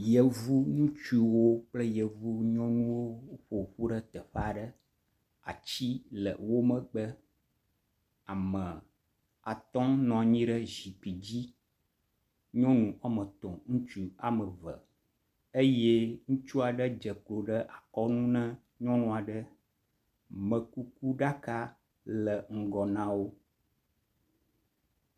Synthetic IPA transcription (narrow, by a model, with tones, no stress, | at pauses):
jə˨vu˦ŋũ˦t͡ʃu˦wo˦k͡plə˦jə˨vu˦ɲɔ̃˦nũ˦wo˦ɸo˨ɸu˦ɖə˦t̪ə˨ɸa˨ɖə˦ | a̰˨t͡ɕi˦lə̰˨wo˦mə̃˨ɡ͡bə˦ | a˨mə̃˨ | a˨t̪ɔ̃˦nɔ̃˨ɲĩ˦ɖə˦zi˨pi˨d͡ʑi˦ | ɲɔ̃˦nũ˨ʔa˦mə̃˨t̪ɔ̃˨ŋũ˦t͡ʃu˨a˨mə˨və̰˨ | e˦je˦ŋũ˦t͡ʃu˦a˨ɖə˦d͡ʒə˨k͡plo˨ɖə˦ʔa˨kɔ˦nũ˦nɛ̃˦ | ɲɔ̃˦nũ˨a˨ɖə˦ | mə̃˨ku˦ku˦ɖa˦ka˦ | lə˨ŋ̩˨ɡɔ˨nã˦wo˦